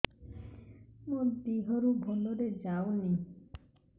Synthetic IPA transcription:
mud̪iɦɔɾubʱonoɾed͡ʒawni

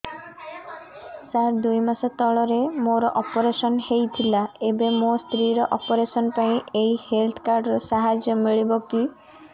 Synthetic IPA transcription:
saɾd̪ujmasɔt̪ɔɭɔɾemoɾɔʔɔpɔɾesɔnhejt̪ʰilaebemost̪ɾiɾɔʔɔpɔɾesɔnpaĩʔejhelt̪ʰɔ̥kaɾɖɔɾɔsaɦad͡ʒjɔmiɭibɔki

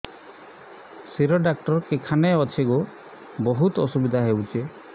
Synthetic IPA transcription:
siɾɔɖak̚ʈɔɾkekʰaneɔt͡ʃʰeɡu | bɔɦut̪ɔsubid̪ʱaɦewt͡ʃʰe

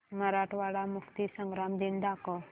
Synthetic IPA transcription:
mɐɾaʈʋaɽamʊkt̪isəŋɡɾamd̪ind̪aːkɔ

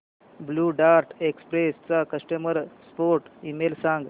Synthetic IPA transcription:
bluːɖaɾʈʰekspɾest͡sakəsʈəməɾspoɾʈimelsãŋɡ

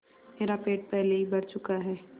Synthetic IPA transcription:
meːɾapeːʈ̚pɛɦleɦibɐɾt͡ʃʊkaɦɛː

